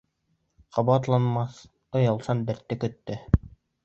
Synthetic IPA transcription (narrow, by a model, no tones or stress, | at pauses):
qʰɑβɑt̪lˠɑnmɑθ | ɤ̆jɑlˠsɑnbɘ̆ɾt̪ːɘkɵ̆t̪ːɘ